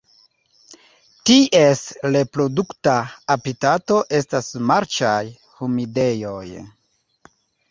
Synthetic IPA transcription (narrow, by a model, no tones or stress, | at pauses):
tiʔesle̞pɾo̞duktaːpitato̞ʔe̞stasmaɾt͡ʃaj | humide̞jo̞j